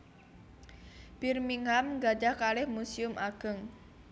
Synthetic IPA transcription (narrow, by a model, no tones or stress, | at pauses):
b̥irmiŋamɡad͡ʒahkalɪhmusiʊmʔaɡ̥əŋ